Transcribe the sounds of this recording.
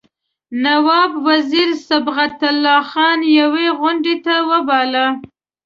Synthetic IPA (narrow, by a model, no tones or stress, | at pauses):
nawɑbwaziɾsabɣat̪alːɑxɑnjaweɣʊɳɖet̪awəbɑla